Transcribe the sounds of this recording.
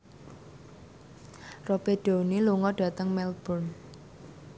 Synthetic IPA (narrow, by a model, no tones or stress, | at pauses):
ropeɖ̥o̤niluŋɔɖ̥ä̤t̪əŋmɛlb̥ɔn